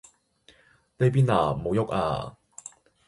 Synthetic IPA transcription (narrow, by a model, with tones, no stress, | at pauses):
ne˥jp̬iː˥na̰ː˨˩mo˨˧wjʊ˥k̚a̰ː˧